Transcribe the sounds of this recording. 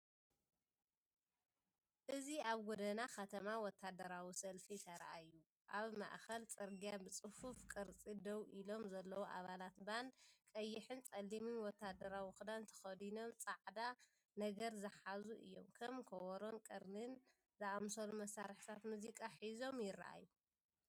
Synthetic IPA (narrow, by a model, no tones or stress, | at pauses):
ʔɨziʔaβɡod̪ɐnakɐt̪ʰɐmawɔt̪ʰːad̪ɐɾawisɐlfit̪ʰɐɾ̰ʔaju | ʔaβma̰ʔxɐlt͡sʼɨɾɡijabɨt͡sʼɨfufkʼɨɾt͡sʼid̪ɐwʔilo̞mzɐlːɐwoʔa̰βalat̪bankʼɐjːɪħɨnt͡sʼɐlːimɨnwɔt̪ʰːad̪ɐɾawʊxd̪ant̪ʰɐ̥xɐd̪ino̞mt͡sʼaʕd̪a | nɐɡɐɾzɨħazuʔɨ̰jːo̞̰mkʰɐmkʰɐwɔɾo̞nkʼɨɾnɨn | zɨʔamsɐlumɐsːaɾɨħsat̪muzikʼaħizo̞mjɪɾːa̰ʔa̰ju